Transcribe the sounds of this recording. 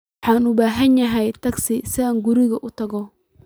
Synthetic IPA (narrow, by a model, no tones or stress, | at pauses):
ɑħɑːnʊbaːɦɐnjɐɦɛjt̪ʰɐɡsɪsɪaːŋɡʊɾɪɣɐʔʊt̪ʰɐɣɔ